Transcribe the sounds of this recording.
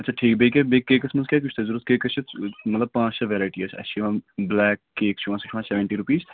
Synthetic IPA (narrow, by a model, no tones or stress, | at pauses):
ɐtːt͡ʃʰaʈʰiːk̚beːkebeːkːeːkɐsmɐnskʲek̬ʊt͡ʃʰt̪ɐzuɾut̪keːkɐt͡ʃʰit̪mɐt̪ləb̚pãːt͡ʃsɐʋeːɾaːɪʈiɐt͡ʃʰɐ̰t͡ʃʰiʋãblɛːkːeːkt͡ʃʰuʋãːsi̥ʈʰuʋãseʋeɳʈiɾupiːz